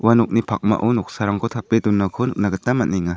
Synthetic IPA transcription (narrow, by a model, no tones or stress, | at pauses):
wanɔk̚nipʰak̚ma̰ʔɔnɔk̚saɾaŋkʰɔt̪ʰapedunːakʰɔnuk̚naɡɯtːamaniŋa